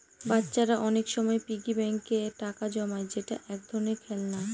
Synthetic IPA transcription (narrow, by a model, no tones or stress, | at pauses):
batːɕaɾaʔɔnekʃɔmɔepiɡibɛŋkeʈakad͡ʑɔmaed͡ʑeʈa̰ʔɛk̚d̪ʱɔɾnekʰɛlna